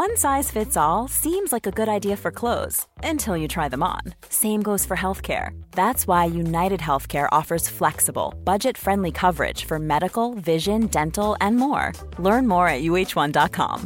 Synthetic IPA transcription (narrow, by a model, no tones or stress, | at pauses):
wʌ̃nsaɪz̥fɪtsɔlˠsĩmzlaɪkɨɡʊɾaɪdiɨfə˞kʰl̥oʊz̥ɨ̃ntʰɪlˠjɨtʰɹ̥aɪðə̃mə̰̃n | sẽɪ̃mɡoʊz̥fə˞ɦɛlˠθkʰɛ̰ɹðætswaɪjʉnaɪɾɨd̚ɦɛlˠθkʰɛɹʔɔ̰fə˞z̥flɛksəbl̩ˠb̥ʌd͡ʒɨtfɹɛ̃ndˡlikʰʌvə˞ɪ̰d̥ʒ̥fə˞mɛɾɨkl̩ˠvɪʒɨ̃ndɛ̃ntl̩ˠɨ̃nmɔ̰ɹ | lɜ̃˞nmɔɹɨt̚jʉeɪt͡ʃwʌ̃ndɑt̚kʰɑ̰̃m